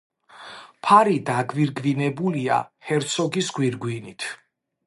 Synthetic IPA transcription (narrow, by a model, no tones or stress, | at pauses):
pʰaɾid̪aɡviɾɡvinɛbulia̰hɛɾt̪sʰɔɡisɡwiɾɡwinit̪ʰ